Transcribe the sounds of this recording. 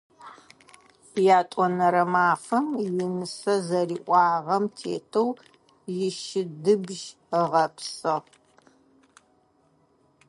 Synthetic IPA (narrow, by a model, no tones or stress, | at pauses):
jaːtʷʼɔnɐɾɐmaːfɐmjɪnɨsɐzɐriːʔʷʼɑːʁɐmtʰḛːtʰɐw | jɪʃɪdɨbʒ | ʁɐpsɨʁ